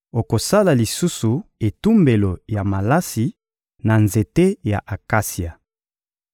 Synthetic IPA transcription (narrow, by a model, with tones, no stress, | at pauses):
o˨ko˨sa˦la˨li˨su˦su˨e˨tu˦mbe˨lo˨ja˨ma˨la˦si˨ | na˨nze˨te˦ja̰˨ʔa˨ka˦si˨a˨